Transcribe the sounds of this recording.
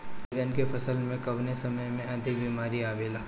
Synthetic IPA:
ɪɾənkefʰɐsəlmẽkɐʋnesɐməjmẽɐd̪ʱɪk̚biːmaːɾiaːbeːlaː

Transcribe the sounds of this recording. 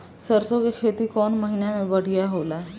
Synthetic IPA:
səɾsõkekʰet̪ikɔːnməɦinemẽbəɽ̤ijaɦola

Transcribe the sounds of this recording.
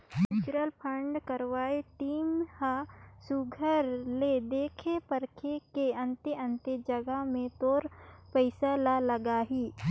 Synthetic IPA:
mɪt͡ʃɾəlpʰə̃ɳɖkəɾʋaːeʈiːmhasuɡʱəɾled̪eːkʰepəɾkʰekeɐ̃nt̪eə̃nt̪ed͡ʒəɡəmẽt̪oːɾpəɪsalaləɡaːɦiː

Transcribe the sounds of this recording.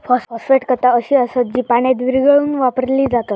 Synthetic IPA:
fɔsfɔfeʈkət̪aəɕiːəsət̪̚d͡ʑiːpaɽ̃jad̪ʋiɾɡəɭuːnʋapəɾliːd͡zat̪at̪

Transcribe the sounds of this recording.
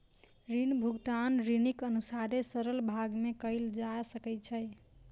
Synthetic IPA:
ɾinbʱuɡt̪anɾinikənusaɾesəɾəlbʱaɡmekəɪld͡ʒasəkɛt͡ʃʰə

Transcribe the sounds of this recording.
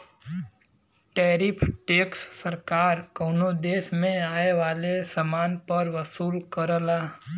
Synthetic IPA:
ʈeːɾɪpʰʈeːksːəɾkaːɾkɐʊnod̪eːsmẽaːeʋaːlesəmaːnpəɾʋəsuːlkəɾəlaː

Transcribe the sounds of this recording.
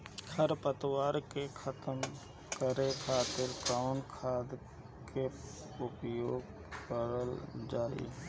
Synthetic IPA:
kʰəɾpət̪waːɾkekʰət̪əm | kəɾekʰaːt̪ɪɾkɾaːʊɳkʰaːd̪ | ke | ʊpjoːɡ | kəɾəld͡ʒaːḭ

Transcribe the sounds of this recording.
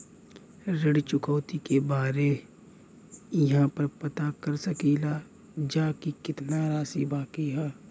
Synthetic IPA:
ɾəɽt͡ʃʊkʰɔːt̪ikebaːɾe | jɐɦãpəɾpɐt̪akɐɾsəkila | d͡ʒaːkikɪt̪naɾaːsibaːkiɦɛː

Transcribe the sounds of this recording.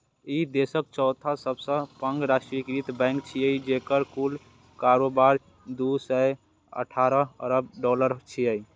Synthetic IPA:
id̪esək̚t͡ʃɔʊt̪ʰasəbsə̃pəŋɡɾasʈɾikɾit̪bɛ̃jŋkt͡ʃʰiəjd͡ʒekəɾkul | kaɾobaɾ | d̪usɛj | ə̰ʈʰaɾəə̰ɾəbɖɔləɾt͡ʃʰiəj

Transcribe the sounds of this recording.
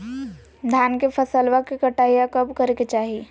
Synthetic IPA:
d̪ʱjaːnkepʰɐsəlʋakikɐʈaːijakɐbkɐɾket͡ʃaːɦie

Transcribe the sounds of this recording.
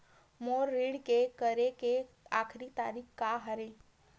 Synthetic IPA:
moːɾːiːɽkekəɾeke | akʰɾit̪aɾiːkkaɦəɾe

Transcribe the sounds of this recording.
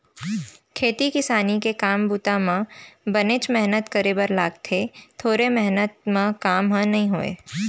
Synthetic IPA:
kʰeːt̪ikɪsaːnikekaːmbuːt̪amãbənet͡ʃmɛɦnət̪kəɾeːbəɾlaːɡt̪ʰet̪ʰoːɾemɛɦnət̪̚mãkaːmɦə̃nɐɦĩɦoːḛː

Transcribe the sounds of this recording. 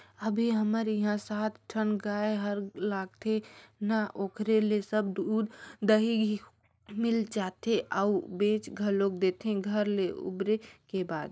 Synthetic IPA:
əbʱiɦəməɾjiɦãsaːt̪ʰʈʰənɡaeɦəɾlaːɡ̚t̪ʰenaʔoːkɾelesəbd̪uːd̪d̪əɦiɡi | mɪlt͡ʃaːt̪eʔaubẽːt͡ʃɡʱəɾlok̚d̪et̪ʰẽɡʱəɾleʊ̰bɾekebaːd̪

